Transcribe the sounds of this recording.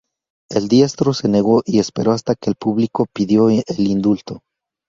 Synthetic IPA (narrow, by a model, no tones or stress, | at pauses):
e̞ld̪je̞st̪ɾo̞se̞ne̞ɣo̞ʔie̞spe̞ɾo̞ast̪ake̞ːlpuβliko̞piðjo̞ʔelind̪ult̪o̞